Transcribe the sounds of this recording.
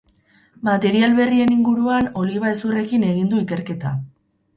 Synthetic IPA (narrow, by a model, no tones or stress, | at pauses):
mat̪e̞ɾialβe̞rie̞niŋɡuɾuano̞liβaesure̞kine̞ɣ̞ind̪uike̞ɾke̞t̪a